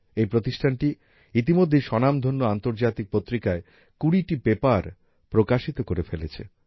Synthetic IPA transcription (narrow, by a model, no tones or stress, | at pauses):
ejpɾot̪iʃʈʰanʈi | it̪̬imod̪ʱːejʃɔnamd̪ʱonːoant̪oɾd͡ʑat̪ik̚pot̪ːɾikae | kuɽiʈibepaɾ | pɾokaʃit̪okoɾefelet͡ɕʰḛ